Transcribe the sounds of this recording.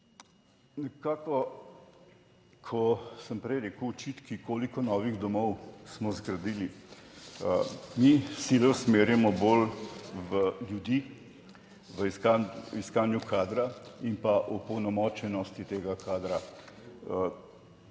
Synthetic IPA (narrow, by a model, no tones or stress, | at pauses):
nɛkaːkɔ | kʰɔsəmpɾɛjɾɛkuɔt͡ʃit̪kikoːlikɔnɔːʋiɣd̪ɔmɔwsmɔzɡɾɐd̪iːli | misilɔsmeːɾjɛmɔbolʋəljud̪i | ʋəiskaiskaːnjukʰaːd̪ɾaimpaʔupɔwnɔmɔt͡ʃɛnɔst̪it̪eːɡakʰaːd̪ɾa